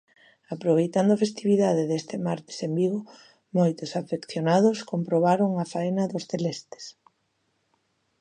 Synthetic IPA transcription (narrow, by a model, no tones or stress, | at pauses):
apɾoβ̞ejt̪and̪ʊafest̪iβ̞iðaðɪðest̪ɪmaɾt̪ɪ̥sembiɣʊ | mojt̪ʊsafekθjonað̞ʊskompɾoβaɾoŋafaenɐðʊsθelest̪e̥s